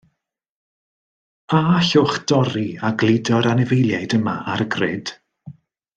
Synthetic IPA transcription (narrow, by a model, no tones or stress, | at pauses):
aɬʊχd̥ɔɾiaɡlˠɪdɔɾanɛvejlˠjajdəma̰ʔaɾɡrɪd̥